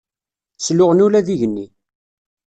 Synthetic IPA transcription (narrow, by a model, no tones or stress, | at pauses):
slʊʁnulæðiʝənːi